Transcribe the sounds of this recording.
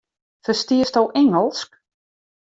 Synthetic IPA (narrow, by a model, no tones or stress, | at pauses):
fəstiəstowʔɪŋəlˠsk